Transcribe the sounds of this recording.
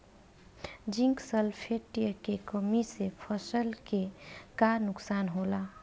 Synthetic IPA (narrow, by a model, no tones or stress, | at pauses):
d͡ʒĩŋksəlpʰeʈijəkekəmisepʰəsəlkekaɾnʊksaːnɦola